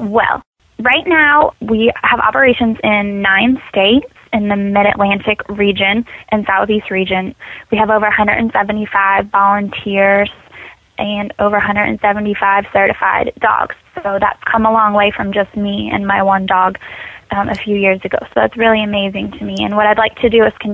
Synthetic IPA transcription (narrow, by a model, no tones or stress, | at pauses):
wɛ̰lˠ | ɹaɪtⁿnaʊwiəvɑ̰pə˞eɪʃɨ̃nzɪ̃nːãɪ̃nsteɪtsɨ̃nðɨmɪɾɨ̰ʔlæ̃ntɨkɹid͡ʒɨ̃nʔɨ̃nsaʊθist̚ɹid͡ʒɨ̃nwiɨvoʊvə˞hʌ̃ndə̰ɾn̩sɛvntifaɪvɑlˠə̃ntʰɪɹz̥ | ʔɨ̃noʊvə˞ɦʌ̃ndɹə̰dn̩sɛvn̩tifaɪv̥sɜ˞ɾɨfa̰ɪdɔ̰ɡ̥z̥soʊðæ̰tskʰʌ̃məlɔ̃ŋweɪfɹʌ̃md͡ʒʌsmiɨ̰̃nmaɪwʌ̃ndɔɡʌ̃ʔɨfjʉjɪɹzɨɡoʊsoʊðæ̰tsɹɪlˠiɨmeɪzɪ̃ŋtʰɨmiɨ̰̃nwʌɾaɪdˡlaɪk̚tʰɨdɨɨz̥kʰɨ̃n